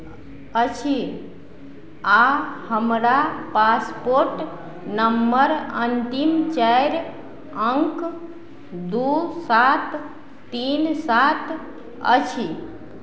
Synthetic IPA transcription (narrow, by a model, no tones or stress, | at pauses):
ət͡ʃʰi | ahəmɾapaspoɾʈ | nəmbəɾənt̪imt͡ʃajɾ | əŋk | d̪usat̪ː | insat̪ | ə̰t͡ʃʰi